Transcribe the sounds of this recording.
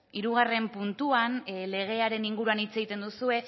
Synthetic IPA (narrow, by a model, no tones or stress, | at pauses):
iɾuɣ̞are̞mpunt̪uanle̞ɣ̞e̞aɾe̞niŋɡuɾuanit͡se̞ɣit̪e̞nd̪usue̞